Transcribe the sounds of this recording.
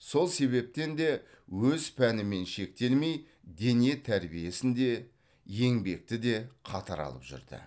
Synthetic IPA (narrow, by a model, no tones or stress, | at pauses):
so̞lˠse̞βe̞p̚t̪e̞nd̪e̞ | wɵzpʰænɪme̞nʃe̞k̚t̪e̞lme̞j | d̪e̞nie̞t̪ʰæɾbije̞sɪnd̪e̞ | je̞ŋbe̞k̚t̪ɪd̪e̞qʰɑt̪ɑɾɑ̰lˠəpʒʏ̰ɾd̪ɪ̰